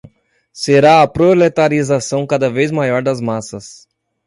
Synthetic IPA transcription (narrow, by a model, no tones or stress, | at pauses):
seɾaɐpɾolet̪aɾizasɐ̃w̃kad̪ɐvejzmajɔɾd̪ɐzmasɐs